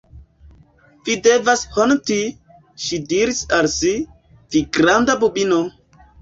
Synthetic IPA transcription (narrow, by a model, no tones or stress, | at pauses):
videvashonti | ʃidiɾisalsi | v̥iɡɾandabubino